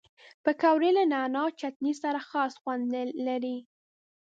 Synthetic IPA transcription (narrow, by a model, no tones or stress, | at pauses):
pəkawɾelanɑnɑt͡ʃat̪nisaɾaxɑsxwand̪laɾi